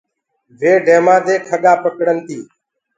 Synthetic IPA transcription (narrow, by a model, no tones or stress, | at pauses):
ʋeːɖʱeːmaːd̪eːkʰəɠaːpəkɽənt̪iː